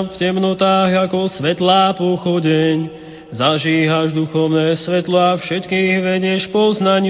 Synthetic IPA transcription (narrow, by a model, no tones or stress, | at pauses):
fcɛmnɔt̪aːɣakɔsʋɛt̪laːpɔxɔɟɛɲ | zaʒiːɦaʒd̪uxɔʊnɛːsʋɛt̪lɔafʃɛt̪kiːɣʋɛɟɪɛʃpɔznaɲ